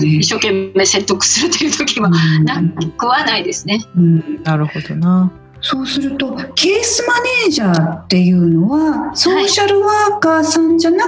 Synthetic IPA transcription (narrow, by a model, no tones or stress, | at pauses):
iɕːo̞kẽ̞mːe̞ːse̞t̪ːo̞kɯ̟̥sɨɾɯ̟t̪ojɯ̟ːt̪okʲiiβanãkaikɯβanaid̪e̞sɨne̞ɯ̟̃ːnaɾɯ̟ho̞d̪o̞na | so̞ːsɨɾɯ̟t̪o̞kʰe̞ːsɨmane̞ːʑaːt̪ːe̞jɯ̟ːno̞βaso̞ːɕaɾɯ̟βaːkaːsãɲ̟d͡ʑana